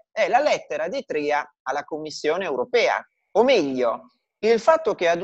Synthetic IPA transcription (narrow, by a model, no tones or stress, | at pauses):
ɛlalɛt̪ːeɾad̪it̪ɾia | alːakomːisːjoːneːwɾopɛːa̰ | omɛʎːo | ilfat̪ːok̟ead̪